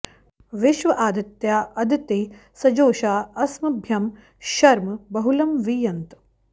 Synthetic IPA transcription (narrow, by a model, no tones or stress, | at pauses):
ʋɪʃʋɐʔaːd̪ɐt̪jaːʔɐd̪it̪iː | sɐd͡ʒoːʃaːɐsmɐbʱjɐm | ʃɐɾmɐbɐɦulɐmʋijɐnt̪